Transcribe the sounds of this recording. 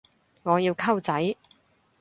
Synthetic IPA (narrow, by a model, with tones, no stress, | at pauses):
ŋɔː˨˧jiː˧wkʰɐ˥wt͡sɐ˨˥j